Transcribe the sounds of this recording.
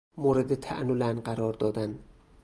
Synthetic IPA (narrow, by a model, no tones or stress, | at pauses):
moɾed̪ɪt̪ʰæ̰ʔnulænqæɾɒɾd̪ɒd̪æn